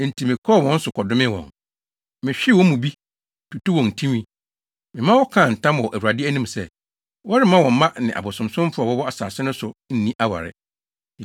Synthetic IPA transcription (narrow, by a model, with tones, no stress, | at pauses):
n̩˨tʰi˨mɪ̃˨kʰɔ˦˨wɔ̃˦n̩˦sʊ˨kʰɔ˨dʊ˦mɪ̃˦wɔ̰̃˨ŋ | mɪ̃˨ɕᶣɪ˦˨wɔ˦mũ˨bi˦ | tʰu˨tu˦wɔ̃˨n̩˨tʰĩ˦mĩ˦ | mɪ̃˨mã˦wɔ˦kʰã˦˨n̩˨tʰã˦mwɔ˨ʔæ˨wu˨ɾa˨dɪ˦æ˦nĩ˦m˨sɛ˦˨ | wɔ˦ɾɪ˦mã˦wɔ̃˨m˦mã˦nɪ̃˨ʔa̰˨bʊ˨sʊ̃˨msʊ̃˦m˦fʊ˦ɔ˨wɔ˦wɔ˦a˨saː˨sɪ˦nʊ̃˦sʊ˨n̩˦nĩ˦ʔa˦wa̰˨ɾɪ̰˨